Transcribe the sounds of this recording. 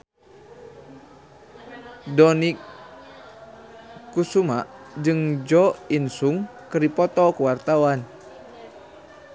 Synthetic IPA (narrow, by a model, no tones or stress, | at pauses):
dɔnik | usumaʔd͡ʒɨŋd͡ʒɔinsuŋkəɾipɔt̪ɔkəwart̪awan